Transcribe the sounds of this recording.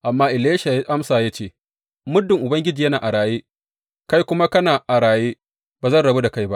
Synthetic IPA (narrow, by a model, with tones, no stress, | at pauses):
ʔa˨mːaː˦ʔɪ˨leː˦ʃa˨˦ʔa˦msaː˨ja˦t͡ʃeː˦˨ | mʊ˦dːɪ˨ŋʔʊ˨bɐ˦ŋɡʲɪ˦d͡ʒiː˨jɐ˦naː˨ʔa˨ɽaː˨jeː˦ | ka˦jkʷʊ˦ma˦kɐ˦naː˨ʔa˨ɽaː˨jeː˦ | b̥aː˨zɐ˦˨nɽɐ˨be˦da˨ka˦jba˦ʔ